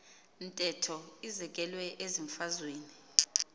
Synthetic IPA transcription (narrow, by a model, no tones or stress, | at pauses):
ntʼɛtʰɔizɛk̬ʼɛlwɛʔeziɱfazweːni